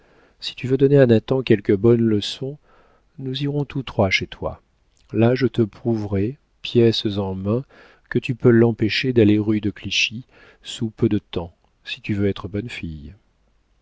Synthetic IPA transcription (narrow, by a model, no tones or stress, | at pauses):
si̥t̪yvød̪ɔneɛ̃nat̪ɑ̃kʲɛlkəbɔnləsɔ̃ | nuziʁɔ̃t̪ut̪χwaʃet̪wa̰ | laʒət̪əpχuvʁɛ | pjɛszɑ̃mɛ̃ | kət̪ypølːɑ̃peʃed̪aleʁyd̪əkliʃi | supød̪ət̪ɑ̃ | si̥t̪yvøɛt̪χəbɔnfij